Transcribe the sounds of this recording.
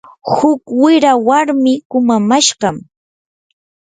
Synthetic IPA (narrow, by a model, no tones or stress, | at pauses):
hʊkwɪɾawaɾmɪkʊmamaʃɢɑm